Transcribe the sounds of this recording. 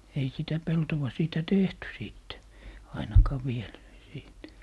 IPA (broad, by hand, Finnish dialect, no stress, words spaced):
ei sitæ peltowɑ siːtæ tehty siˑtːe ɑinɑkɑː ʋiel siːt